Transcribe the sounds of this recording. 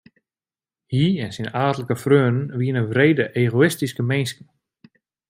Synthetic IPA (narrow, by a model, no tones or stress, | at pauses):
hiɛnsinaːtələkəfrøːnənʋiənəʋreːdəʔeːɣoɪstiskəmenskən